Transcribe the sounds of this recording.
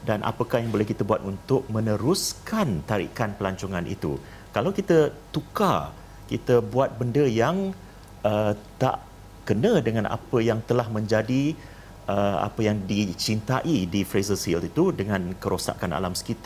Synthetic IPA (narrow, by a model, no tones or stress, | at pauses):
danʔa̰pəkahjaŋbolɛhkit̪əbuat̪unt̪ʊk̚mə̃nəɾuskant̪aɾḭkanpəlaɲt͡ʃoŋanʔḭt̪ṵ | kalawkit̪ət̪uka | kit̪əbuat̪̚bəndəjaŋ | ət̪a̰ʔ | kənə̃dəŋãnʔa̰pəjaŋt̪əlahmə̃ɲd͡ʒadi | əa̰pəjaŋdit͡ʃint̪aʔidifɾezəsilit̪udəŋãnkəɾosa̰kana̰lamsə̥kit̪a